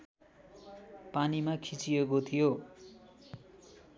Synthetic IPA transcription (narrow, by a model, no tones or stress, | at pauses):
panimakʰit͡siekot̪ʰijo